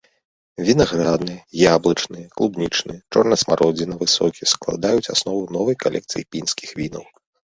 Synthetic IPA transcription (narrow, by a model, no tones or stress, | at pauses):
vʲinaɣɾad̪nɨjɛjablˠɐt͡ʂnɨjɛklˠubnʲit͡ʂnɨ̰ɛt͡ʂɔrnɐsmaɾɔd͡zʲɛnɐvɨsɔkʲisklˠa̰d̪ajut͡sʲa̰snɔvɐnɔvɐjkalʲɛkt̪sɨ̰jipʲinskʲixvʲinɐw